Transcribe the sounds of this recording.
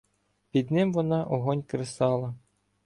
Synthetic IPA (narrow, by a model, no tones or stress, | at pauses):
pʲid̪nɪmʋɔnɑʔɔɦɔnʲkɾesɑlˠɐ